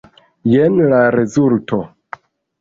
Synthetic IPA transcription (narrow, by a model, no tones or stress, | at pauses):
jenlaɾezulto